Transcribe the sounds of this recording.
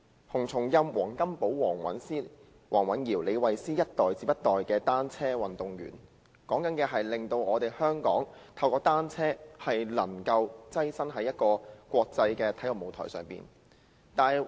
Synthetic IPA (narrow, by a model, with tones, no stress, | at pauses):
hʊ˨˩ŋt͡sʰʊ˨˩ŋjɐ˧mwɔː˨˩ŋkɐ˥mpo˨˥wwɔː˨˩ŋwɐ̰˨˥nsiː˥ | wɔː˨˩ŋwɐ˨˥njiː˨˩wle˨˧jwɐ˨jsiː˥jɐ˥t̚t̪ɔː˨jt͡siː˨˧p̚jɐ˥t̪ːɔː˨jkɛː˧t̪aː˥nt͡sʰɛː˥wɐ˨nt̪ʊ˨ŋjy̰ː˨˩n | kɔː˨˥ŋkɐ˨˥nkɛː˧ɦɐ˨jlɪ˨ŋt̪o˧wɔː˨˧t̪e˨˩jhœː˥ŋkɔ̰ː˨˥ŋt̪ʰɐ˧wkɔː˧t̪aː˥nt͡sʰɛː˥hɐ˨jlɐ˨˩ŋkɐ˧wt͡sɐ˥jsɐ˥nɦɐ˨˥jɐ˥t̚kɔː˧kʷɔː˧k̚t͡sɐ˧jkɛː˧t̪ʰɐ˨˥jlɔ˨˩mo˨˧wt̪ʰɔ̰ː˨˩jsœː˨˩ŋpḭː˨˩n | t̪aː˨˩j